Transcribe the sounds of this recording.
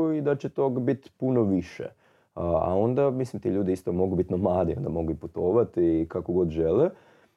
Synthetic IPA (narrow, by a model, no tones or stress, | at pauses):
uid̪at͡ɕe̞t̪oːɡbit̪punoʋiʃḛ | a̰o̞nd̪amislimt̪iʎuːd̪iist̪omo̞ɡubit̪namlaːd̪ḭond̪amo̞ɡuiput̪o̞ːʋat̪ikakoɡo̞d̪ʒelɛ